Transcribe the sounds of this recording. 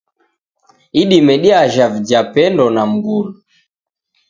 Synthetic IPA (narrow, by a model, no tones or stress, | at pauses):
iɗimɛɗiaʒavid͡ʒapɛndɔnam̩ɡulu